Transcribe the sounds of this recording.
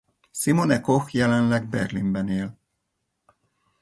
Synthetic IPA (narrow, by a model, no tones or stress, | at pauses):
simonɛkoxjɛlɛnlɛɡ̚bɛ̰rlimbɛneːl